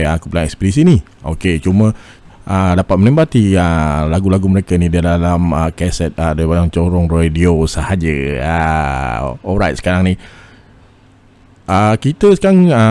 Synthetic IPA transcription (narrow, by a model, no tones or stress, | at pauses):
aakupulaŋɛ̰kspidis̬ini | oket͡ʃumə | ʔədapat̪̚mənɛmbat̪ialaɡulaɡuməɾekənidalalaməkɛsɛt̪̚adabajaŋt͡ʃoɾɔŋrediosəhad͡ʒəa̰ | ɔlɾajt̪sə̥kaɾaŋni | ʔakit̪əsə̥kaɾaŋə